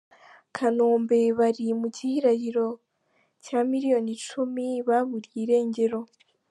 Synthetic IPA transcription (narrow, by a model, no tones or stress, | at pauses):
kʰanoːmbe̞βaɾimuɟihiɾajiɾo̞ | caːmiɾijo̞nit͡ʃumiβaβuɾjiːɾe̞ːɲɟeɾo̞